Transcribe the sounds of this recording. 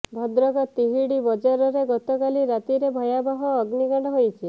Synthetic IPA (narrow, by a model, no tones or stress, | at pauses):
bʱɔd̪ɾɔkɔt̪iɦiɽibɔd͡ʒaɾɔɾeɡɔt̪ɔkaliɾat̪iɾebʱɔjabaɦɔːɡniɡaɽ̃ɔɦojt͡ʃʰi